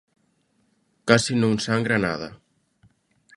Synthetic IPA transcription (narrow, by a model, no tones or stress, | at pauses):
kasinũŋsaŋɡɾana̰ða̰